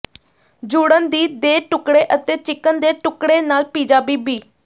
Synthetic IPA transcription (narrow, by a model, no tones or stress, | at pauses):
d͡ʒuːɽənd̪iːd̪eːʈʊkɽeːʔət̪eːt͡ʃɪkːənd̪eːʈʊkɽeːnaːlpiːd͡ʒaːbiːbiː